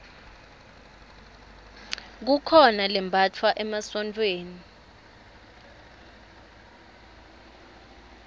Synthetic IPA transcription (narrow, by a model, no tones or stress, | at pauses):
k̬ukʰɔnalɛmbʱat͡fʰwaʔɛmasɔntʼweːni